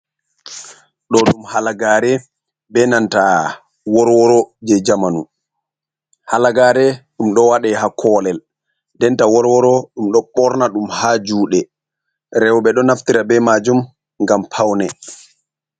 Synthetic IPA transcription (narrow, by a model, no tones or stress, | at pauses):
ɗɔɗumhalaɡaːɾɛ | bɛnanta | wɔɾwɔɾɔd͡ʒɛd͡ʒamanu | halaɡaːɾɛɗumɗɔwaɗɛhakʰɔːlɛl | dɛntawɔɾwɔɾɔɗumɗɔɓɔɾnaɗumhad͡ʒuːɗɛ | ɾɛwɓɛɗɔnaftiɾabɛmad͡ʒum | ŋɡampʰawnɛ